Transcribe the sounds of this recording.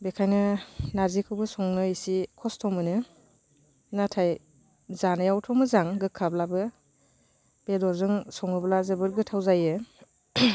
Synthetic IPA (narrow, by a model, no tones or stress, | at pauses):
bekʰajnɯnaɾzikʰɯwbɯsɔŋnɯisikʰɔstʰɔmɯnɯ | natʰaj | zanɯjawtʰɔmɯzaŋɡɯkʰːablabɯ | b̥edɔɾzɯŋsɔŋɯblazɯbɯɾ̚ɡɯtʰawzajɯ